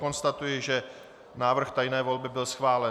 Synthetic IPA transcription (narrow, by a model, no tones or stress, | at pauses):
ko̞nst̪at̪ujɪʒɛ | naːvr̩xt̪ajnɛːvo̞lbɪbɪlsxvaːlɛ